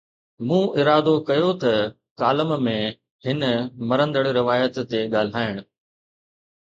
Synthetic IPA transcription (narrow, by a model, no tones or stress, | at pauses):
mũːʔɪɾaːd̪okɐjot̪ɐ | kaːləmmẽ | hɪnəmɐɾə̃nd̪əɽɾɪʋaːjət̪ːeɠaːl̤aːɪɽ̃̆